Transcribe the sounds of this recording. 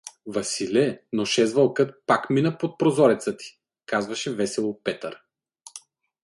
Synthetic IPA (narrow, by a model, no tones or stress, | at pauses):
vɐsilʲɛnoʃɛzvɐlˠkɤt̪pakminəpot̪̚pɾozɔɾɛt̪sət̪i̥ | kazvɐʃɛvɛsɛlˠopɛt̪əɾ